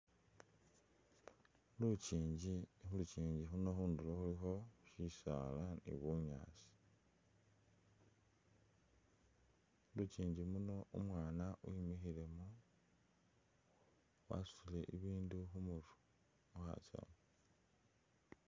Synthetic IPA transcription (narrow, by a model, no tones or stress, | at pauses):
lut͡ʃiːɲɟixulut͡ʃiːɲɟixuno̞xuːnduloxulixo̞ʃisa̰lanḭβuɲa̰ːsi̥ | lut͡ʃiːɲɟimuno̞ʔumwaːnaʔuimixile̞mo | wa̰su̥sile̞ʔiβiːnduxumuɾu̥ | uxa̰t͡ʃa̰mo